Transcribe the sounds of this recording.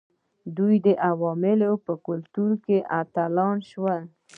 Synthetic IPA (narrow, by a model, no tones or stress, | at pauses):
d̪ujd̪əʔawɑmɪlopəkʊlt̪uɾkeʔat̪alɑnʃwa